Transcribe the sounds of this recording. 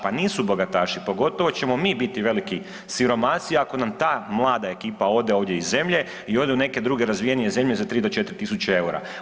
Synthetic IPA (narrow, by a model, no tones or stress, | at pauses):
paniːsubo̞ɡat̪aːʃipo̞ɡo̞t̪o̞ʋo̞t͡ɕe̞mo̞miːbit̪iʋe̞liki | siɾo̞masiako̞namt̪aːmlˠaːd̪ae̞kiːpao̞d̪e̞o̞ːʋdje̞izːe̞mʎe̞ | io̞d̪eune̞ke̞d̪ɾuːɡe̞ɾazʋijenije̞ze̞mʎezat̪ɾiːd̪o̞t͡ʃe̞t̪ɾit̪isut͡ʃee̞uɾa̰